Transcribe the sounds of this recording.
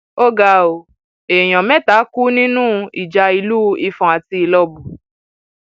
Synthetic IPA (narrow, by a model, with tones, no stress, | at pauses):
o˦ɡa˧o˨ | e˨j̃ɔ̃˨mɛ̃˦ta˨˦ku˦nĩ˦nũ˦˧i˨d͡ʒa˧i˧lu˦˧i˧fɔ̃˨a˨ti˧˦i˨lɔ˧bu˨